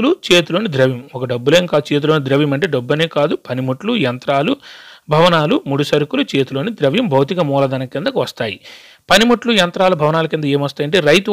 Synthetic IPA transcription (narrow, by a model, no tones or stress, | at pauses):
lut͡ʃe̞ːt̪ulo̞ːnid̪ɾɐʋjimɔkɐɖɐbːule̞ːŋkaːd̪ut͡ʃe̞ːt̪̬ulo̞ːnid̪ɾɐʋjɐmɐɳʈe̞ːɖɐbːɐneːkaːd̪upɐnimuʈlujɐnt̪ɾaːlubʱɐʋɐnaːlumuɽusɐɾukulut͡ʃe̞ːt̪uloːnid̪ɾɐʋjɐmbʱɐwt̪̬ikɐmuːlɐd̪ɐnɐind̪ɐkʋɐst̪aːji | pɐnimuʈlujɐnt̪ɾaːlubʱɐʋɐnaːlukind̪ɐeːmʋɐst̪aːjɐɳʈe̞ːɾɐjt̪u